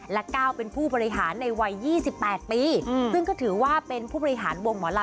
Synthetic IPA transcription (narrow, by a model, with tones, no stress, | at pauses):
lɛ˦˥kaː˥˩wpe˧npʰuː˥˩bɔː˧ɾi˧ɦaː˩˦nːa˧jwa˧jːiː˥˩si˨˩pːɛː˨˩t̪̚piː˧sɯ˥˩ŋkɔː˥˩t̪ʰɯː˩˦waː˥˩pe˧npʰuː˥˩bɔː˧ɾi˧ɦaː˩˦nwo˧ŋmɔː˩˦la˧